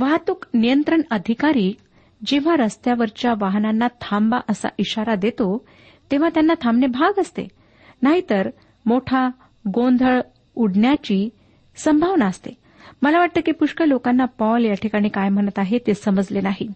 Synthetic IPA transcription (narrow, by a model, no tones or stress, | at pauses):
ʋaɦt̪uknijənt̪ɾəɳəd̪ʱikaɾiː | d͡ʑeʋ̤aɾəst̪jaʋəɾt͡ɕjaʋaɦnanːat̪ʰambaʔəsa̰ʔiɕaɾad̪et̪o | t̪eʋ̤at̪janːat̪ʰamnebʱaɡəst̪ḛ | naɦit̪əɾ | moʈʰa | ɡond̪ʱəɭ | uɽɳjat͡ɕiː | səmbʱaʋnaəst̪e | məlaʋaʈ̚t̪əːkipuʂkəlokanːapɔljaʈʰikaɽ̃ikajm̤əɽ̃ət̪aɦet̪esəməd͡zlenaɦi